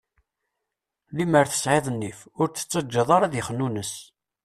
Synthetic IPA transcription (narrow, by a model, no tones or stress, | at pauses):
liməɾθə̥sʕeðˤənːifʊɾt͡sːə̥t͡sːəd͡ʒːəðˤɑɾˤɑðjəχənːunəs